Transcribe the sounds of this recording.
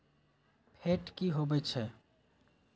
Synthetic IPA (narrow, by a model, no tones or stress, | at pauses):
pʰeʈkiɦobɛt͡ʃʰɛ